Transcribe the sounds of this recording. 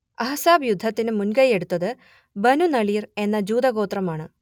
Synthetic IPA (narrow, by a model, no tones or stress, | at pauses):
ɐɦɐsaːbjud̪ʱːɐt̪ːinɨmunɡɐje̞ɽut̪ːɐðɨ | bɐnunɐɭiːre̞nːɐd͡ʑuːd̪ɐɣo̞ːt̪rɐmaːɳɨ